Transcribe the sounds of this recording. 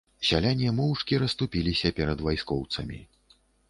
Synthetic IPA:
sʲalʲanʲiɛmɔwʂkʲiɾɐst̪upʲilʲisʲɐpʲɛɾɐd̪vajskɔwt̪sɐmʲḭ

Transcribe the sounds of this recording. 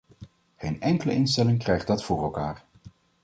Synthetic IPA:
χejnɛŋkələ̰ɪnstɛlɪŋkrɛjχdɑtfʊːrɛlˠkaːɹ

